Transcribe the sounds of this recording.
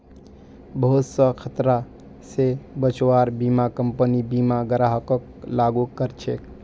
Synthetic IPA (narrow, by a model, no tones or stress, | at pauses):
bəɦut̪səkʰət̪ɾa | sebət͡ʃwaɾbimakəmpənibimaɡəɾaɦəkək | laɡukəɾt͡ʃʰe